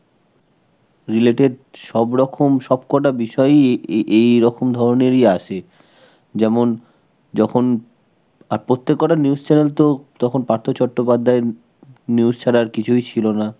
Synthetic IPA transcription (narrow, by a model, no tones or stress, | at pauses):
ɾileʈeɖʃɔbɾɔkʰomʃɔb̚kɔʈabiʃɔeʔejɾɔkʰomd̪ʱɔɾoneɾiaʃe | d͡ʑɛmon | d͡ʑɔkʰon | aɾpɾot̪ːekːɔʈaniust͡ɕɛnelt̪ot̪ɔkʰonpaɾt̪ʰot͡ɕɔʈːopad̪ʱːae | niust͡ɕʰaɾaɾkit͡ɕʰujt͡ɕʰilona